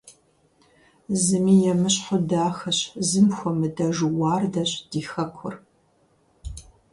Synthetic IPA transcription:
zɨmiːjɛmɨɕħʊdaːxɐɕzɨmxʷɔmɨdɐʒuwɑːrdɐɕd̥iːxɐkʷʰʊr

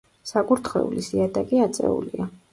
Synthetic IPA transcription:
saɡuɾt̪ʰχwɛ̰ulisiad̪akʼiat̪sʼɛ̰ṵlia

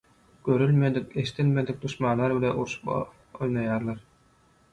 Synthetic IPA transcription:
kœɾylʲmɛd̪ikɛst̪ɛlmɛd̪ik̚d̪usmaːlˠaːɾbilɛʔuɾsp | ɔjnɑjaːɾlˠaɾ

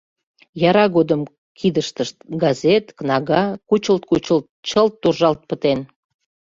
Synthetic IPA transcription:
jɑɾɑɣod̪əm | kʰid̪əʃt̪əʃt̪̚ɡɑzʲet̪knɑɣɑkut͡ɕəlt̪̚kut͡ɕəlt̪̚t͡ɕəlt̪ːurʒɑlt̪̚pət̪en

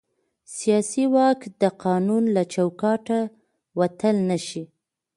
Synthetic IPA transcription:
sijɑsiwɑkd̪əqɑnunlat͡ʃawkɑʈa | wat̪əlnaʃi

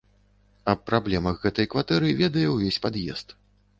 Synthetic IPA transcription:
ɐppːɾablʲɛmɐxɣɛt̪ɐjkvat̪ɛɾɨvʲɛd̪ɐjɛwvʲesʲpad̪jɛ̰st̪

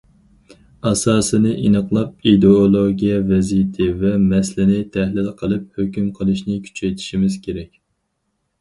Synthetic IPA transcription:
ɑsɑːsɨnɨʔinəqlˠɑp̚id̪eolˠoɡʲijɛvɛzijt̪ʰɪvɛmɛslɪnɪt̪ʰæhlɪlqʰəlˠɨp̚høkʲymqʰəlˠɨʃnɪkʲʰy̥t͡ʃʰɛjt̪ʰi̥ʃimɪz̥kʲʰeɾɛkʲ

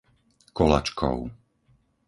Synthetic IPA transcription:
kɔla̰t͡ʃkʰɔ̰ʊ

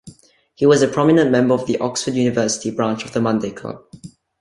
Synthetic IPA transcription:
hiwɔzəpʰɹ̥ɔmɪnə̃nmɛ̃mbəɔvðiʔɔksfədjunɪvɜsɪ̥tibɹãnt͡ʃɔvðəmãndeɪkʰla̰b̚

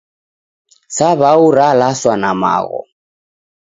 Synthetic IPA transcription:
saβauɾalaswanama̰ɣɔ̰

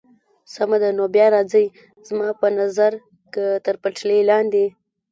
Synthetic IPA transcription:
samad̪anobjɑɾɑzəj | zmɑpənazaɾ | kət̪əɾpaʈlelɑnd̪e

